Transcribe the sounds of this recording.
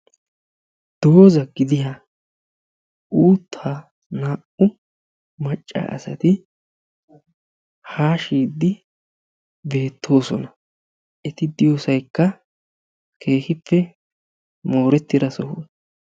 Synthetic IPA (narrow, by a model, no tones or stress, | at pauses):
d̪̥o̞ːzɐɡɪd̪ɪjɐ | ʔuːt̪ʰːaː | naːʔʊ | mɐt͡ʃʼːa̰ʔɐ̰sɐt̪ɪ | haːʃiːd̪ːɪ | be̞ːt̪ʰːo̞ːsɔ̰nɐ | ʔɛt̪ɪd̪ɪjoːsɐjkːɐ | kʰe̞ːxɪpːɛ | mo̞ːɾɛt̪ːɪd̪ɐsɔhʊ